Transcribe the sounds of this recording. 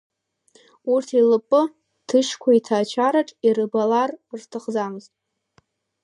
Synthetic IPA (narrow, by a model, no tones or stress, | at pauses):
urtʰilɨpʼɨ | tʰɨʃkʷʰaitʰaːt͡ʃʰaɾaʈ͡ʂʼirɨbalarrtʰɨχd͡zamɨztʼ